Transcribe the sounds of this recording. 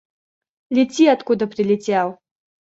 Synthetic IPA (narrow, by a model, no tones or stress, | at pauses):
lʲit͡sʲiat̪kud̪ɐpɾɨlʲit͡sʲɛw